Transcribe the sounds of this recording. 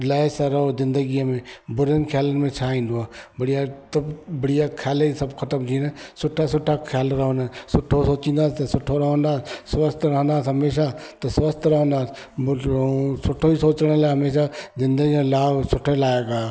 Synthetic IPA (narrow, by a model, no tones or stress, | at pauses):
laːesaɾɐɦozɪ̃nd̪əɡijəmẽbʊɾənkʰjaːlənmẽt͡ʃʰaːĩːnd̪oaːbəɽijasɐbbəɽijakʰjaːlesɐbkʰət̪əmt̪ʰinesʊʈʰːasʊʈʰakʰjaːlɾɐɦõnasʊʈʰosoːt͡ʃĩːnd̪aːst̪ɐsʊʈʰːoɾɐɦə̃nd̪aːssʋəst̪ɾɐɦə̃nd̪aːsɦɐmeːʃat̪ɐsʋəst̪ɾəɦə̃nd̪aːs | sʊʈʰoisoːt͡ʃəɽ̃əlaːɦɐmeːʃazɪ̃nd̪əɡimẽlaːʋsʊʈʰelaːekaː